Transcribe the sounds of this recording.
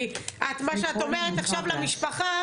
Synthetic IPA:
ʔat̪maʃeat̪omeʁet̪aχʃavlamiʃpaχa

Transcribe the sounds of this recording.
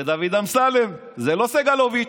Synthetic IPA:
ed̪avid̪amsalem | zeloseɡalovi

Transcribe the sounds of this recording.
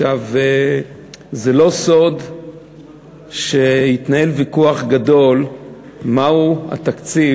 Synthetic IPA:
ʃave | zelo̞so̞d | ʃeit̪nae̞lvikuaχɡad̪o̞l | maua̰t̪akt͡si

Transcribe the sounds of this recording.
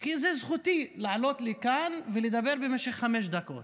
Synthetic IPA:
kizezχut̪ilaʕalo̞t̪likanveled̪abe̞ʁbemeʃeχːameʃ̬d̪ako̞̰t̪

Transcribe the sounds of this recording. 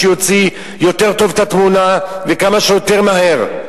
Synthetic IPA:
ejo̞t͡si | jo̞t̪e̞ʁt̪o̞vet̪at̪munavekamaʃejot̪eʁmaɦe̞ʁ

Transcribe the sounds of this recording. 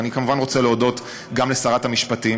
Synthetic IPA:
nikamuvanʁot͡seleodo̞t | ɡamle̞saʁathamiʃpati

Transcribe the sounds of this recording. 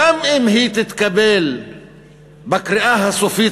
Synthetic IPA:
amʔɪmhiːt̪ɪt̪kabeːl | bakɾɪʔaːhasofiː

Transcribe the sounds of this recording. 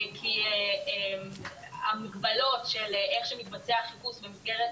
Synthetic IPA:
kʰiem | amiɡbalo̞tʃeleχʃemit̪bat͡seaχipusvemifɡeʁet

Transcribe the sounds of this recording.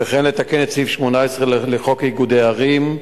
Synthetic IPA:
eχenlet̪akenet̪sifʃmonaesʁelleχokiɡud̪eaʁim

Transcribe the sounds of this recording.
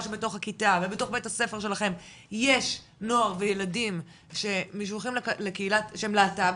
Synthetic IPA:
ʃebeto̞χhakitavebeto̞χbethase̞fe̞ʁʃe̞laχe̞m | je̞ʃ | no̞aʁvejeladim | ʃe̞miʃ̬voχimllekeilatʃeemleatav

